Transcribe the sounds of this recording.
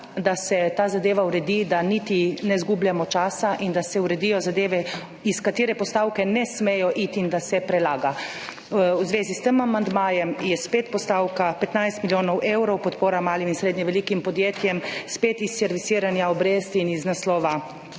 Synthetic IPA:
d̪asɛt̪aːzad̪eːʋauɾɛd̪id̪anit̪inɛzɡubljamɔt͡ʃaːsaʔind̪asɛuɾɛd̪ijɔzad̪eːʋɛ | iskat̪iːɾɛpɔst̪awkɛnɛsmejɔʔit̪ind̪asɛpɾɛlaːɡa | wzʋeːzist̪əmamand̪maːjɛmjɛspeːt̪pɔst̪awkapɛt̪najst̪miljoːnɔwʔewɾɔwpɔt̪poːɾamaːliminsɾeːd̪ɲɛʋɛlikimpɔd̪jeːt̪jɛmspet̪isːɛɾʋisiːɾanjaɔbɾeːst̪iniznaslɔːʋa

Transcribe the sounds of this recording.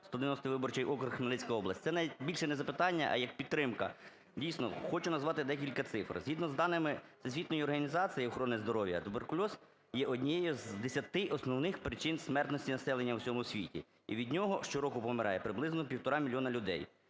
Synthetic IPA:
st̪ɔd̪eɪʋʲnɔst̪ɪʋɪbɔrt͡ʃɛjʔɔkɾʊxmelˠɪt͡sʲkɐjɔblˠɐsʲt̪ɛnɐʋʲitʲbʲilʲʃɛnɛzɐpɪt̪ɑnʲːɐʔɐ̰jɐk̚pʲid̪t̪t̪ːɾɪmkɐ̰ | dʲijsʲnɔ̰xɔt͡ʃʊnɐzʋɑt̪ɪd̪ɛk̬ʲilʲkɐt̪sɪfrz̥ɦʲid̪nɔzd̪ɑnɪmɪsesʲʋʲit̪nɔjiɔrɦɐnʲizɑt͡s̪ʲijiɔxɾɔnɪzd̪ɔɾɔʋʲjɐ̰t̪ʊberkʊlʲɔz | jɛʔɔdʲnʲijɛjɔzd̪esʲɐt̪ɪʔɔsnɔwnɪxpɾɪt͡ʃɪnsʲmɛrt̪nɔsʲtʲinɐsɛlˠenʲːɐwsʲɔmʊsʲʋʲḭtʲḭ | iʋʲid̪ʲnʲɔɦɔʃt͡ʃɔɾɔkʊpɔmɪɾʔɑjɛpɾɪblˠɪznɔpʲiwt̪ɔɾɑmʲilʲjɔnɐlʲʊd̪ɛ̰j

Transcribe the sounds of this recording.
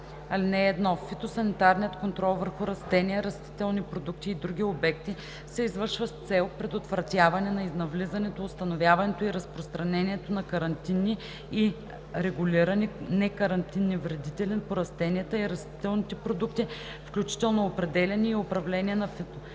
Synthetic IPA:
ɐlinɛːd̪nɔfit̪osɐnit̪aɾnʲijət̪kont̪ɾɔlˠvəɾxuɾɐst̪ɛniɛɾɐst̪i̥t̪ɛlˠnipɾod̪uk̚t̪iːd̪ɾuɡ̟ʲiobɛkt̪i | sɛizvəɾʃvəst̪sɛlˠpɾɛd̪ot̪vɾɐt̪ʲavɐnɛnɐiznɐvlizɐnɛt̪oːst̪ɐnovʲjavɐnɛt̪oiɾɐspɾost̪ɾɐnɛniɛt̪onɐkɐɾɐnt̪inːi | i | ɾɛɡʊlʲiɾɐninɛkɐɾɐnt̪inːivɾɛd̪it̪ɛlɛnpoɾɐst̪ɛniət̪əiɾɐst̪i̥t̪ɛlˠnit̪ɛpɾod̪ukt̪i | fklʲut͡ʃi̥t̪ɛlˠnoopɾɛd̪ɛlʲɛniːopɾɐvlɛniɛnɐfit̪o

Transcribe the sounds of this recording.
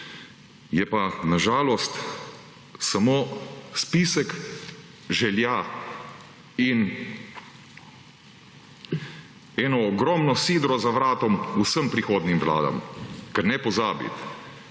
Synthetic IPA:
jɛpanaʒaːlɔst̪ | samoːspisɛk | ʒɛlja | in | ɛːnɔːɡɾɔːmnɔsiːd̪ɾɔzaʋɾaːt̪ɔmusəmpɾixoːd̪nimʋla̰ːd̪a̰mkɛɾnɛpɔzaːbḭt̪

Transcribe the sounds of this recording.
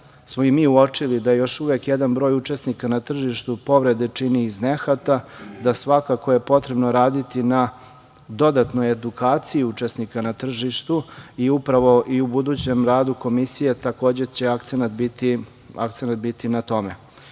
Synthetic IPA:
smoimiːuo̞t͡ʂilid̪aejo̞ʃuʋekjed̪anbɾo̞ːjut͡ʂe̞snikanat̪r̩ʒiʃt̪upo̞ʋɾe̞d̪e̞t͡ʂiniːzne̞xat̪ad̪asʋakakoje̞po̞t̪ɾe̞bnoɾaːd̪it̪ina | d̪o̞d̪at̪no̞je̞d̪ukaːt̪siiut͡ʂe̞snikanat̪r̩ʒiʃt̪uiupɾaʋo̞ʔiubud̪uːt͡ɕe̞mɾaːd̪uko̞misije̞t̪ako̞ːd͡ʑet͡ɕe̞akt̪senat̪bit̪i | a̰k̚t̪senat̪bit̪inat̪o̞mḛ

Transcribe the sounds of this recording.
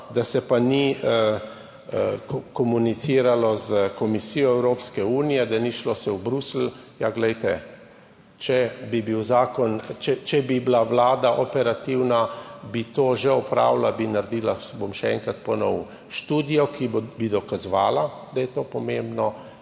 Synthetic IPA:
d̪asɛpani | kɔmunit̪siːɾalɔzkɔmisijɔɛwɾoːpskɛuːnijɛd̪aniʃlɔsɛwbɾusl̩ | jaɡlɛjt̪ɛ | t͡ʃɛbibiwzaːkɔnt͡ʃɛt͡ʃɛbiblaʋlaːd̪aʔɔpɛɾat̪iwnabit̪oːʒɛɔpɾa̰ːwlabinaɾd̪iːlabomʃɛɛŋkɾat̪̚pɔnɔw | ʃt̪uːd̪ijɔkibbid̪ɔkazʋaːlad̪ajɛt̪oːpɔmembnɔ

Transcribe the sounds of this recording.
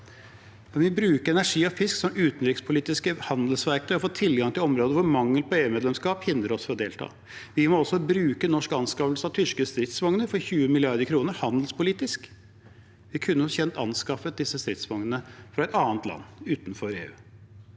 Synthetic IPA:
ɑnʋɪbɾʉːkəɾɛnæʂiːɔfɪsksɔmʉːt̪nɾɪkspʰʊliːt̪ɪskəhɑnd̪əl̩sʋæɾk̪əɾɔfoːt̪ʰɪlɡɑŋt̪ʰɪlɔmɾoːd̪əʋʊɾmɑŋːəlpʰɔeːʉmeːd̪lɛmskɑːphɪnd̪ɾəɔsfɔɾɔd̪eːlt̪ʰɑ̰ː | ʋɪmɔɔsɔbɾʉːkənɔʂkɑnskɑʋlsəɑʋt̪ʰʏʂkəst̪ɾɪt̪sʋɑŋnəfɔɾçʉːəmɪlɪɑɾd̪əkʰɾuːnəɾhɑnd̪l̩spʰʊliːt̪ɪsk | ʋɪkʰʉnːəfçɛnt̪ɑ̰nskɑfəd̪ɪsːəst̪ɾɪt̪sʋɔŋənəfɾɑɛt̪ɑːnt̪lɑ̰nːʉːt̪nfɔɾḛːʉ̰ː

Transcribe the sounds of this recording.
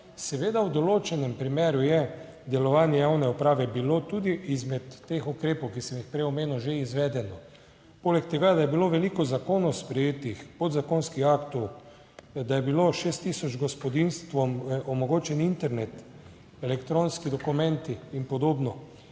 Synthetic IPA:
sɛʋeːd̪awd̪ɔloːt͡ʃɛnɛmpɾimeːɾujɛ | d̪ɛlɔʋaːnjɛjawnɛupɾaːʋɛbilot̪ud̪iʔizmɛt̪ːexukɾeːpowkisɛmjixpɾɛjɔmeːnuʒeizʋɛd̪ɛnɔ | poːlɛk̚t̪ɛɡad̪ajɛbiloʋɛlikɔzakoːnɔwspɾɛjeːt̪ixpɔd̪zakonskixaːkt̪ɔw | d̪ajɛbiloʃeːst̪ːiːsɔd͡ʒɡɔspɔd̪inst̪ʋɔmɔmɔɡoːt͡ʃɛnint̪ɛɾnet̪ | ɛlɛkt̪ɾonskid̪ɔkumɛ̃nt̪iːnpɔd̪oːbnɔ

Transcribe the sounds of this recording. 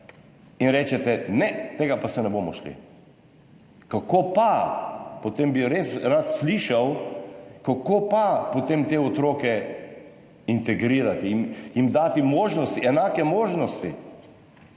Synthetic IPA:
inɾɛːt͡ʃɛt̪ɛnɛt̪eːɡapasɛnɛboːmɔʃlḭ | kakopapot̪embiɾesɾat̪sliːʃaw | kakoːpapot̪emt̪eːot̪ɾoːkɛ | int̪ɛɡɾiːɾat̪iːnjimd̪aːt̪imoːʒnɔst̪iɛnaːkɛmoːʒnɔst̪ḭ

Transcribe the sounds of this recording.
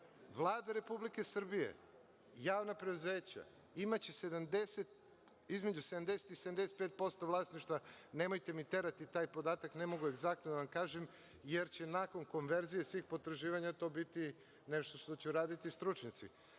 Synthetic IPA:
ʋlˠaːd̪aɾe̞publikesr̩bijḛ | jaːʋnapɾeuze̞ːt͡ɕa̰ | imat͡ɕese̞d̪amd̪e̞set̪̚ | izme̞d͡ʑused̪amd̪e̞set̪iseamd̪eset̪pet̪̚po̞st̪o̞ʋlˠaːsniʃt̪ʋane̞mo̞jt̪e̞mit̪eɾat̪it̪aːjpo̞d̪aːt̪akne̞mo̞ɡue̞ɡzak̚t̪nod̪aʋamkaːʒem | jeɾt͡ɕe̞nako̞nko̞nʋe̞ɾzije̞sʋiːxpo̞t̪ɾaʒiːʋaɲat̪o̞ːbit̪i | neʃt̪o̞ʃt̪o̞t͡ɕeɾaːd̪it̪ist̪ɾut͡ʃɲat̪sḭ

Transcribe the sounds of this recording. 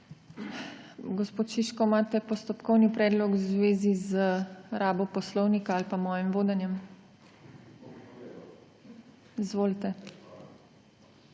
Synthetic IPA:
ɡɔspoːt̪ʃiʃkɔmaːt̪ɛpɔst̪ɔpkɔwnipɾɛːd̪lɔkwzʋeːzizəɾaːbɔpɔslɔwnikaalpamɔːjimʋoːd̪ɛnjɛm | izʋoːlt̪ɛ

